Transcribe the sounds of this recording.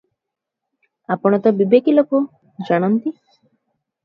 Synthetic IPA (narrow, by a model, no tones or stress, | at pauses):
apɔɽ̃ɔt̪ɔbibekiloko | d͡ʒaɽ̃ant̪i